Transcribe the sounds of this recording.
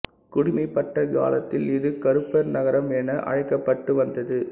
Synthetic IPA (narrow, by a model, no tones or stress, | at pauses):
kʊɽɪmɐɪpːɐʈːɐɡa̰ːlɐt̪ːɪlɪðɯkɐɾɯpːɐɾnɐɣɐɾɐmɛnɐʔɐ̰ɻɐɪkːɐpːɐʈːɯʋɐnd̪ɐðɯ